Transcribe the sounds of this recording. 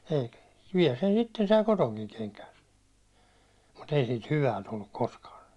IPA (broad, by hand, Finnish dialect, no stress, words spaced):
eikæ̥ ʋiɛl sen sitːen sɑi kotoŋkiŋ keŋkæːn̞ mut ei siːt hyʋæ tulːuk koskɑː